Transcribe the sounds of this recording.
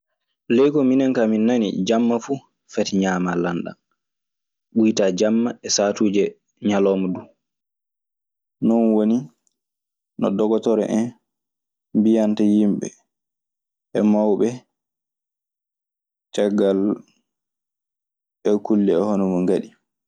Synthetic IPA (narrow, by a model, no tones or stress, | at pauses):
lɛjkɔminɛŋkaminːanḭd͡ʒamːafu | fɛtɲaːmalanɗa̰n | ɓujtaːd͡ʒamːaɛsaːtuːd͡ʒɛ | ɲalɔmɔdu | nɔnwoni | nɔ̰dɔɡɔtɔɾɛ̰ʔɛn | mbijantajimɓɛ̰ | ʔɛmawɓɛ | t͡ʃɛɡal | ɛkulːɛɛhonɔmɔŋɡaɗi